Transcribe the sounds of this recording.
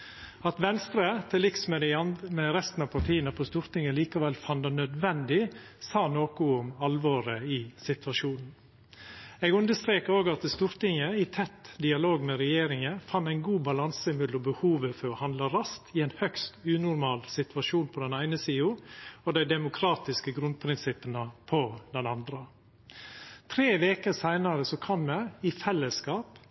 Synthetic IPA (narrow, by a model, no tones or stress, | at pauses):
ɑt̪ʋɛnst̪ɾət̪ʰɪlɪksmɛmɛɾɛst̪n̩ɑpʰɑʈʰiːənəpʰɔst̪uːɾt̪ɪŋəliːkɑʋɛlfɑnd̪ɑnœd̪ʋɛnd̪ɪsɑːnoːkʊʊmɑlʋoːɾəɪsɪt̪ʋɑʂuːnn̩ | ɛːɡʉnd̪əst̪ɾeːkəɾoːɡɑt̪st̪uːɾt̪ɪŋəɪt̪ʰɛt̪ːd̪ɪɑloːɡmɛɾɛjeːɾɪŋəfɑnt̪æɪnɡuːbɑlɑnsəmɪd̪lɔbəhuːʋəfɔɾɔhɑnd̪ləɾɑst̪ʰɪɛɪnhœkst̪ʉːnʊɾmɑːlsɪt̪ʋɑʂuːnpʰɔd̪ɛnæɪnəsiːʊɔd̪æɪd̪ɛmʊkʰɾɑːt̪ɪskəɡɾʉnd̪̚pʰɾɪnsɪpːənəpʰɔd̪ɛnɑnd̪ɾə | t̪ʰɾeːʋeːkəsæɪnɑɾəsɔkʰɔmːɛɪfɛlːəskɑːp